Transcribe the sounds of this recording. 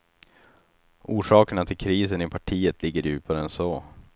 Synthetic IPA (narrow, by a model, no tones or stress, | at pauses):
ʔuːʂɑːkəɳat̪ʰɪlkʰɾiːsənɪpʰaʈʰiːət̪lɪɡːəɾjʉ̟ːpʰaɾəɛnsoː